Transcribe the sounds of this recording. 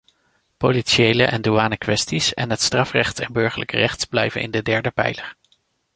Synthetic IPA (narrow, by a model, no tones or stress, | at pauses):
poliʃejləʔɛnduaːnəkʋɛstisɛ̰nɦətstrɑfrɛχtɛnbɵɹχələkərɛχtsblɛjvə̰nɪ̰ndədɛɹdəpɛ̰jləɹ